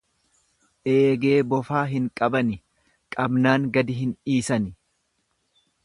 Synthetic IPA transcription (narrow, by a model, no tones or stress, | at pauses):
ʔeːɡe̞ːbɔfaːɦɪŋkʼɐbɐnɪ | kʼɐbnaːŋɡɐd̪ɪɦɪniːsɐnɪ